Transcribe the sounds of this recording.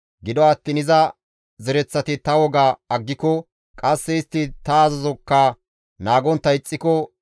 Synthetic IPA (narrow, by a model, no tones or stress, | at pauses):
ɡɪd̪ɔɐt̪ːiːnɪzɐ | zɛɾɛt͡sːɐt̪ɪt̪ɐwɔɡaɐɡːɪkɔ | kʼɐsːɛɪst̪ːɪt̪ɐːzɐzɔkːɐ | naːɡɔnt̪ːɐɪt͡sʼːɪkɔ